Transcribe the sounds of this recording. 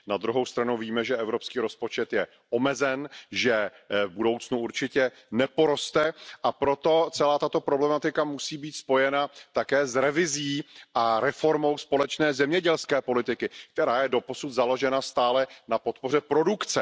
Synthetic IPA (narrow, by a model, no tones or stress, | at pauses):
nad̪ɾuɦo̞wst̪ɾanuwviːmɛʒɛʔɛvɾo̞pskiːɾo̞spo̞t͡ʃɛt̪jɛ | ʔo̞mɛzɛnʒɛ | vbudo̞wt͡snuuɾt͡ʃɪcɛ | nɛpo̞ɾo̞st̪ɛʔapɾo̞t̪o̞t͡sɛlaːt̪at̪o̞pɾoblɛmat̪ɪkamusiːbiːt̪spo̞jɛnat̪akɛːzɾɛvɪziːʔaɾɛfo̞ɾmo̞wspo̞lɛt͡ʃnɛːzɛmɲɛɟɛlskɛːpo̞lɪt̪ɪkɪk̚t̪ɛɾaːjɛdo̞po̞sut̪zalo̞ʒɛnast̪aːlɛnapo̞t̪̚po̞r̝ɛpɾo̞dukt͡sɛ